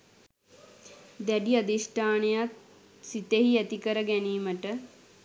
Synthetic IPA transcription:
d̪æɖiad̪iʂʈʰaːnejat̪ | sit̪eɦiæt̪ikəɾəɡæniːməʈə

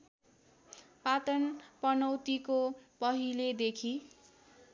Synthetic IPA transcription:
pat̪ʌnpʌnʌwt̪ikopʌɦiled̪ekʰi

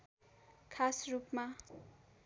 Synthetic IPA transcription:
kʰasrupma

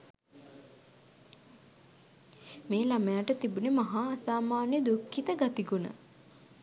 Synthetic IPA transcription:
meːlaməjaʈət̪ibunemaɦaːsaːmaːnjəd̪ukːit̪əɡat̪iɡunə̰

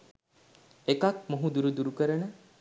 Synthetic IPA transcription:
ekak̚moɦud̪uɾud̪uɾukəɾənə

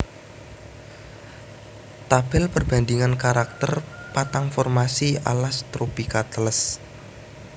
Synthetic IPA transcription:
t̪ab̥ɪlpərb̥a̤nd̪iŋankaɾak̚t̪ərpat̪aŋfɔrmasia̰last̪ɾopikat̪ələs

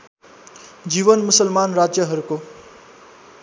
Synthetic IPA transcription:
d͡ʒiʋənmusəlmaːnɾad͡ʒjəɦʌɾuko

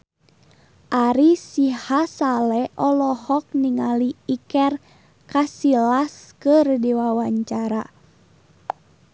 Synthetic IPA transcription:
ʔaɾisihasalɛʔɔlɔhɔk̚niŋaliːkɛr | kasilaskərdiwawaɲt͡ʃaɾa

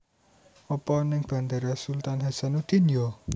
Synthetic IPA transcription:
ɔpɔnɪŋb̥a̤nd̪aɾasult̪anɦɛsanud̪̥i̤njo

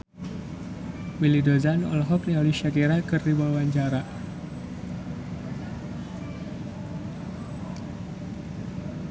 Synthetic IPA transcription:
milidozanɔ̰lɦɔk̚nialiʃakiɾakɨrdibawaɲt͡ʃaɾa

